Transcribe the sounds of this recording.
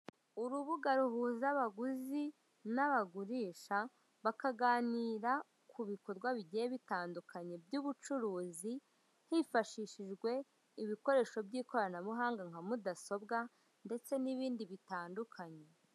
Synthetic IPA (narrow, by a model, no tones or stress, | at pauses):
uɾuβuɡaɾuhuːzaβaɡuzi | naβaɡuɾiːʃa | βakaɡaːniːɾa | kʰuβiko̞ɾɡwaβiɟijeβitaːndukʰaɲe̞bjuːβut͡ʃuɾuːzi | hifaʃiʃiʒɡwe̞ | iβiko̞ɾe̞ːʃo̞bɟiːko̞ɾanaβuɦaːŋɡaŋ̥hamudaso̞bɡa | nde̞t͡se̞niβiːndiβitaːndukʰaɲe